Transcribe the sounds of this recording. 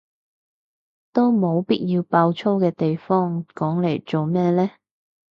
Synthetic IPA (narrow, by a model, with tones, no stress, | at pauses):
t̪o˥wmo˨˧wpiː˥t̚jiː˧wpaː˧wt͡sʰo˥wkɛː˧t̪e˨jfɔː˥ŋkɔː˨˥ŋle˨˩jt͡so˨wmɛː˥lɛː˥